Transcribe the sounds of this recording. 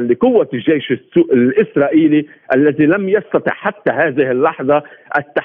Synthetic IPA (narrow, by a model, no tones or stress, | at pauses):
nliqʊwːaʒːejʃɪsuːʔɪlʔɪsɾˤɑːʔiːli | ʔalːaðilamjɑst̪ɑt̪ˤɪ̰ʕħat̪ːaɦaːðɪhɪlːɑħðˤɑʔat̪ːa